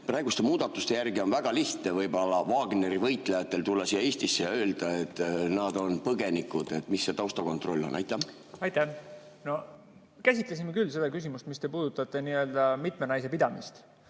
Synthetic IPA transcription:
prɑeɡust̪e̞muːd̪̥ɑt̪ːˑust̪e̞jærɡio̞nvæɡ̥ɑliht̪nevɤjbolːɑvɑːɡne̞ɾivɤjt̪ːˑlejɑt̪ːˑe̞lt̪ulːɑsijɑeːsʲt̪isːejɑø̞ːld̪̥ɑe̞t̪ːˑnɑd̪o̞npɤɡe̞nikːˑud̪̥e̞t̪ːˑmisːe̞t̪ɑwst̪ɑko̞nt̪ˑɾro̞lʲːo̞̰nːʔɑ̰jt̪ːˑæ | ɑjt̪ːˑæ | no̞ | kæsʲit̪les̬imekylːse̞d̪̥ɑkysʲimust̪mist̪e̞puːd̪̥ut̪ːˑɑt̪ːˑe̞niø̞ld̪̥ɑmit̪me̞nɑjse̞pid̪ɑmist̪

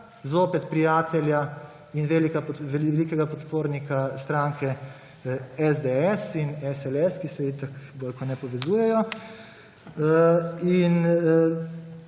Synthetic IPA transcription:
zoːpɛt̪pɾijaːt̪ɛlja | inʋelikapʋɛlikɛɡapɔt̪poːɾnikast̪ɾaːŋkʰɛ | ɛzd̪eɛsinɛsɛlɛskisɛjit̪akɡoːlkɔnɛpɔʋɛzuːjɛjɔ | in

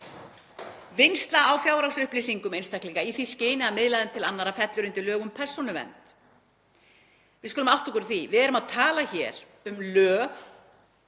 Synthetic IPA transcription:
vɪjnst̪laawfjaːwɾawsʏhplisiŋkʏmejnst̪ahkliŋkaiθisceːjnɪamɪðlaðɪmt̪ʰɪlanːaɾafɛt̪lʏɾʏnt̪ɪlœːɣʏmpʰɛr̥sɔnʏvɛ̰nt̪ | vɪðskʏːlʏmawht̪ɔkʏɾθivɪðɛɾʏmaðt̪ʰaːlaçɛːɾ̥ | ʏmlœːɣ

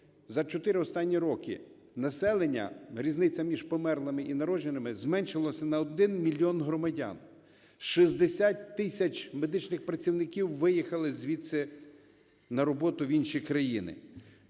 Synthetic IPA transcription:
zɐt͡ʃɔt̪ɪɾɪɔst̪ɑnʲːiɾɔkɪ̰ | nɐsɛlˠenʲːɐ̰ɾʲiznɪt͡sʲɐmʲiʒpɔmɛrlˠɐmɪʔinɐɾɔʒenɪmɪzmɛnʲʃɪlˠɔsʲɐnɐɔd̪ɪnmʲilʲːiɔnɦɾɔmɐdʲɑ̰n | ʃizd̪esʲatʲt̪ːɪsʲɐt͡ʃme̞d̪ɪt͡ʃnɪxpɾɐt͡sʲiwnɪkʲiwːɪjixɐlˠɪzʲʋʲisɛ | nɐɾɔbɔt̪ʊʋʲinʃikɾɐjinɪ̰

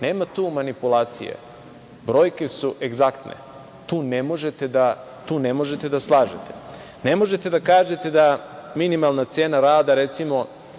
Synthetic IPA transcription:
ne̞ːmat̪uːmanipulaːt̪sḭjḛ | bɾo̞ːjke̞suʔe̞ɡzakt̪nʔḛ | t̪uːnemo̞ʒet̪ed̪a | t̪uːne̞mo̞ʒe̞t̪e̞d̪aslˠaːʒet̪e | ne̞mo̞ʒe̞t̪e̞d̪akaːʒet̪e̞d̪aminimalˠnat̪se̞ːnaɾaːd̪aɾet̪simo̞

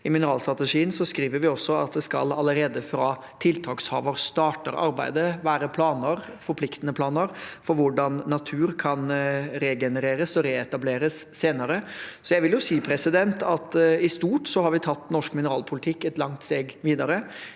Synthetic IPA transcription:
ɪmɪnəɾɑːlst̪ɾɑt̪əʂiːənsɔskɾiːʋəɾʋɪɔsːɔɑ̰t̪̚d̪ɛskɑ̰lɑləɾeːd̪əfɾɑ | t̪ʰɪlt̪ʰɑːkshɑ̰ːʋəɾst̪ɑːʈə̰ɾɑ̰ɾbæ̰ɪd̪əʋæːɾəpʰlɑːnəɾ | fɔɾpʰlɪkt̪ənəpʰlɑːnəɾfɔɾʋʊɖɑnːɑt̪ʰʉːɾkʰɑnɾeɡɛnəɾeːɾəsɔɾeːɛt̪ɑbleːɾəsːeːnəɾəsɔjæʋɪljʊsiːpʰɾɛsɪd̪ɛnt̪ɑt̪ɪst̪uːʈsɔhɑɾʋɪt̪ʰɑt̪ːnɔʂkmɪnəɾɑːlpʰʊlɪt̪ʰɪkːɛt̪lɑŋt̪st̪eːɡʋiːd̪ɑɾə

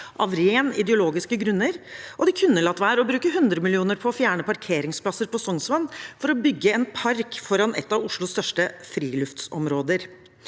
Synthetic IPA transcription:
ʔɑ̰ʋɾeːnɪ̰d̪əʊloːɡɪskəɡɾʉnːəɾʔɔd̪ɪkʰʉnːəlɑt̪ːʋæːɾɔbɾʉːkəɦʉnd̪ɾəmɪlɪuːnəɾpʰɔfjæːɳəpɑɾkʰeːɾɪŋspʰlɑsəɾpɔsɔŋsʋɑnfɔɾɔbʏɡːəɛnpʰɑɾkfɔɾɑnɛ̰t̪ːɑʋʊʂɭʊst̪œʂʈəfɾiːlʉft̪sɔ̰mɾoːd̪əɾ

